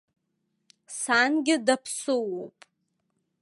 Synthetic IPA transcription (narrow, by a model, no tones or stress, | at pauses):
sanɡʲɪdapʰsɨwowpʼ